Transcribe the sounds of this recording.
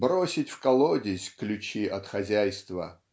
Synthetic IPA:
bɾosʲɪtʲfkɐlˠodʲɪsʲklʲʊt͡ɕiʔɐt̪xɐzʲæjst̪və̰

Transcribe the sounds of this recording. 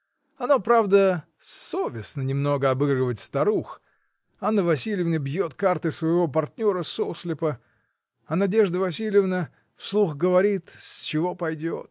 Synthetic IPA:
ɐnopɾavd̪ə | sovʲɪsnənʲɪmno̞ɡəɐbɨɡrəvətʲst̪ɐɾux | anːəvɐsʲilʲɪjɪvnəbjo̞t̪kart̪ɨsvəjɪvo̞p̬ɐrtʲnʲo̞ɾəsosʲlʲɪpə | ɐnɐdʲe̞ʐd̪əvɐs̬ʲilʲɪjɪvnə | fslˠuxɡəvɐɾʲit̪sʲt͡ɕɪvo̞pɐjdʲo̰t̪̚

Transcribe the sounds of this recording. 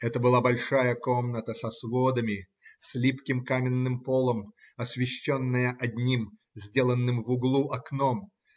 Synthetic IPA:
ɛt̪əbɨlˠabɐlʲʂajəkomnət̪əsɐsvod̪əmʲɪ | sʲlʲipkʲɪmkamʲɪnːɨmpolˠəm | ɐsʲvʲɪɕːonːəjəʔɐdʲnʲim | zʲdʲelˠənːɨmvʊɡlˠuʔɐknom

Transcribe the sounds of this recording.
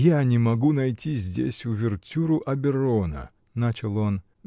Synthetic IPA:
janʲɪmɐɡunɐjtʲizʲdʲḛsʲʊvʲɪrtʲuɾʊʔɐbʲɪɾonə̰ | nat͡ɕɪlˠon

